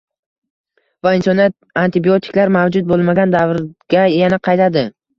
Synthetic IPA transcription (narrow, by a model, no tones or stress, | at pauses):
vaɪnsɒnijat̪̚ | ant̪ʰɪbiot̪ʰɪ̥kʲlaɾmavd͡ʒʊt̪̚bolˠmaɡʲand̪avɾɡ̥ʲajanaqʰɑjt̪ʰad̪ɪ